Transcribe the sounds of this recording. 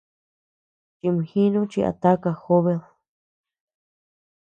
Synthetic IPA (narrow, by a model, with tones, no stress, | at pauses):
t͡ʃi˧mĩ˨hĩ˦nũ˦t͡ʃi˧a̰˨˧t̪a˦ka˧xo˦βe˧l